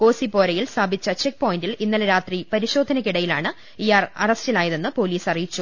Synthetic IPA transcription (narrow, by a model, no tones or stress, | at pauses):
ko̞ːsipo̞ːɾɐjilst̪ʰaːbʱit͡ɕːɐt͡ɕek̚po̞ːjindilinːɐlɐɾaːt̪ripɐɾiɕo̞ːd̪ʱːɐnɐkiɽɐjilaːɳɨ | iːarɐrɐstilaːjɐðenːɨpo̞ːliːsɐrijit͡ɕːu